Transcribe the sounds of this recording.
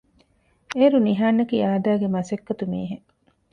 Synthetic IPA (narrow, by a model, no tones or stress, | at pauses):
eːɾuniɦaːnːɐkiːaːd̪aːɡemɐsekːɐt̪umḭːɦe